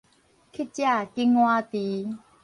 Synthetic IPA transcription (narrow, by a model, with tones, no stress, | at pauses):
kʰi˥t͡ɕia˥˨ki˧ŋwa˧t̪i˨˦